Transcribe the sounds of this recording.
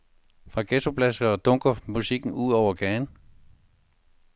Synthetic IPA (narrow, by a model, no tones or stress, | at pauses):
fʁɑ̈ɡ̥esopʰlæsɡ̥ɐːd̥ɔ̽ŋɡ̥ɐmusiɡ̥n̩uð̰ˠɒʊ̰ɐɡ̥æːn